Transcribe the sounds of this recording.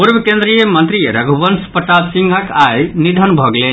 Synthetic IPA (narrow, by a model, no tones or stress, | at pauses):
puɾbʱəkẽnd̪ɾijəmənt̪ɾijeɾəɡʱubənspəʈ̪at̪sĩŋɡʱəkajnid̪ʱənbʱɔɡle